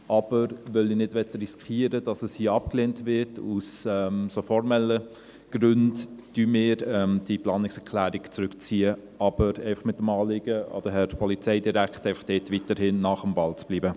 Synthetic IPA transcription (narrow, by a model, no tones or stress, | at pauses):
ʔɑb̥əɾʋœlinɪdʋɛtəriskiːəɾəd̥ɑsəshiːɑpkleːntʋɪɾtʰusɛmsofɔɾmɛlə | ɡ̥ɾʏndtymɪːɾɛmd̥iplɑːnɪksɛkʰlæːɾikt͡sɾʉkt͡siːə | ʔɑb̥əɾɛɪfɑχmɪt̚ːəmɑːlɪɡ̥əɔ̰d̥əɦɛɾpʰɔlit͡sɛɪdiɾækχtɛɪfɑ̥χd̥ɛːtʋitəɾhɪnːɑχəmbɑlt͡sb̥liːbə